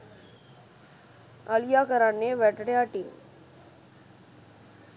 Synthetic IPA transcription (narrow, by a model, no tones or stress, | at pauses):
əlijakəɾanːeʋɛʈɽjaʈiːm